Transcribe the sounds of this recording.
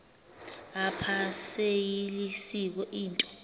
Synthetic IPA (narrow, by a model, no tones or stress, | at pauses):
apʰasejilisik̬ɔʔiːntʼɔ̥